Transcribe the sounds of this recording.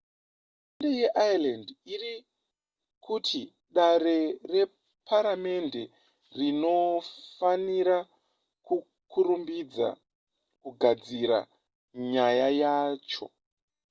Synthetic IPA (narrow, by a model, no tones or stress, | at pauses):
ndejeʔajalandiri | kʰutʰi | ɗaɾe̞re̞ | pʰaɾame̞nde̞ | rino̞faniɾa | ku | kʰuɾumbid͡za̰ | kuɡʱad͡ziɾa̰ | ɲajajaːt͡ʃo̞̰